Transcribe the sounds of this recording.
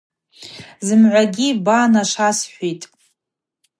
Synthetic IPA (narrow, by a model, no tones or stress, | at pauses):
zɨmʕʷaɡʲibaːnaʂasħʷitʼ